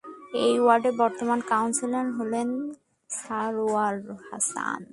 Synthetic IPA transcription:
ejuwaɖebɔɾt̪omankawnselenɦolen | saɾoalha̰sa̰n

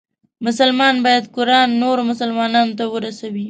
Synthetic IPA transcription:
mʊsəlmɑnbɑjad̪kʊɾɑnːoɾomʊsəlmɑnɑnot̪awəɾasawi

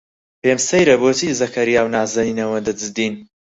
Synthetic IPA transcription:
peːmsɐjɾɐbot̪izɐkʰɐɾjaːwnaːzɐninɐwɐd̪ɨd͡zɨd̪iːn

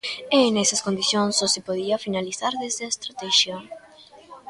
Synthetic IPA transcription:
enɛsɐskond̪iθjõŋsosɪpoðiafinalisaɾðezðɪest̪ɾat̪ɛʃja

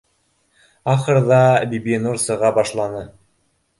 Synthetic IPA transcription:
ɑχɤ̆ɾðɑbibʲinuɾsɤ̆ʁɑbɑʃlˠɑnɤ

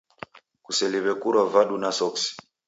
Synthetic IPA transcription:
kusɛliβɛkuɾavaɗunasɔksi̥

